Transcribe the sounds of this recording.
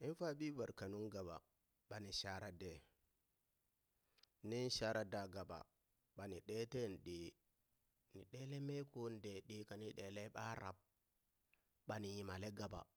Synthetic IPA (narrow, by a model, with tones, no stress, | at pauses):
ʔi˦n˦fa˦ɓi˦va˨ɾka˨nu˦ŋɡa˨ba̰˨ | ɓa˨ni˨ʃa˦ɾa˦dɛ˨ | ni˦n˦ʃa˦ɾa˦da˨ɡa˨ba̰˨ | ɓa˨ni˨ɗɛ˦tɛ˦n˨ɗe˨ | ni˨ɗɛ˦lɛ˦mɛ˦ko˦n˨dɛ˨ɗi˦ka˨ni˦ɗɛ˨lɛ˦ɓa˦ɾa̰˨b̚ | ɓa˨ni˨ji˨ma˨lɛ˦ɡa˨ba̰˨